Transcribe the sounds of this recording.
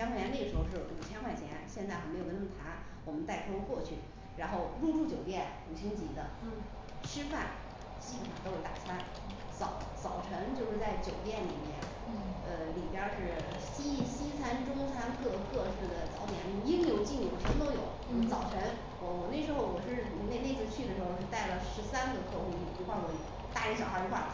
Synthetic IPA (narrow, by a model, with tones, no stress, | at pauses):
ɕjɑ˥ŋʰxa˥˩jɛ˧˥ne˥˩ɡəʂɻxo˥˧ʂɻ̩˥˩u˨˩t͡ɕʰjɛ˥nxwa˥˩nt͡ɕʰjɛ̰˧˥nɕjɛ˥˧nt͡sa˥˩ɪxme˧˥jo˨˩˥nʰ˥˩a˧˥n | wɔ˨˩mə˦nt̪a˥˩ɪtʰo˥wkwɔ˥˧t͡ɕʰy̰˥˩ | ɻa˧˥nxo˥˧ʊɻu˥˧ʈ͡ʂu˥˩t͡ɕjo˨˩ʊt̪jɛ˥˩n | u˨˩t͡ɕʰi˧˥ŋt͡ɕi˧˥d̪ə̰˧ | ʂɻ̩˥fa̰˥˩n | t͡ɕi˥˩˨ma˨˩t̪o˥ʊjo˧˥t̪a̰˨˩t͡sʰa˥n | t͡sɑ˨˩˦ʊt͡sɑ˨˩ʊʈ͡ʂʰə˧˥ŋt͡ɕjo˥˧ʊʂɻ̩˥˧t͡sa˥˩ɪt͡ɕjo˨˩ʊt̪jɛ˥˩nlḭ˨˩mjɛ̰˥˩n | ə˧li˨˩pjɐ˥˧ʂɻ̩˥˩ | ɕi˥ɕi˥t͡sʰa˥nʈ͡ʂʊ˥ŋt͡sʰa˥nkɤ˥˧kɤ˥˧ʂɻ̩˥˩d̪ə˩t͡sɑ˧˥ʊt̪jɛ̰˨˩ni˧˩˧i˥ŋ˧jo˨˩ʊt͡ɕi˥˩ŋjo˨˩ʊʂə˧˥nt̪o˥ʊjo˨˩˦ʊt͡sɑ˨˩ʊʈ͡ʂʰə˧˥ŋ | wɔ˧˩wɔ˨˩ne˥˩ɪʂɻ̩˧˥xo˥˧ʊwɔ˨˩ʂɻ̩˥˩˨ne˥˧ɪne˥˧ɪt͡sʰɹ̩˥˧t͡ɕʰy˥˩ə˩ʂɻ̩˧˥xo˥˧˩ʂɻ̩˥˧t̪a˥˩ɪlə˩ʂɻ̩˧˥sa˥nɡə˨˧kʰɤ˥˧xu˥˧li˥˩pu˧˥xwɑ˥˧ŋwɔ˧˥˩ḭ˨˩˥ | t̪a˥˩i˥ɕjɑ˨˩ʊxa˞˧˥˩i˧˥xwa˥˩